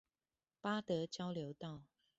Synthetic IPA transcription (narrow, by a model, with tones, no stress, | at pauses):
pa˦˥t̪ɤ˨˦t͡ɕjɑ˦ʊljo˨˦ʊt̪ɑ˥˨ʊ